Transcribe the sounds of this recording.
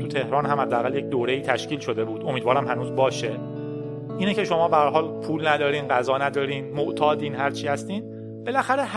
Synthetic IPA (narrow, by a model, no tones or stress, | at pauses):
ut̪ʰe̞hɾɒːnɦæmhæd̪ːeæɣælje̞c̚d̪oːɾeiːt̪ʰæʃciːlʃod̪e̞buːd̪o̞miːd̪vɒːɾæmɦænuːzbɒːʃe | ʔiːnece̞ʃo̞mɒːbæhæɾɦɒːlpʰuːlnæd̪ɒːɾiːnɢæzɒːnæd̪ɒːɾiːnmoʔt̪ʰɒːd̪iːnɦæɾt͡ʃʰiːhæst̪iːn | b̥e̞læxæɾeh